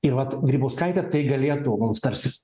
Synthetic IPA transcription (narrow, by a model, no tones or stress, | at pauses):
ɪɾʋɐt̪ɡɾʲiːboːskɐɪt̪ʲɛt̪ɐɪɡɐlʲeːt̪oːɡonst̪ɐɾʲsʲɪ